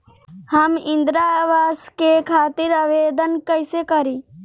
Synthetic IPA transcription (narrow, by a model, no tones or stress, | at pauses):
həmɪ̃nd̪ɾaʋaːskekʰaːt̪iɾaʋeːd̪ənkəɪsekəɾiː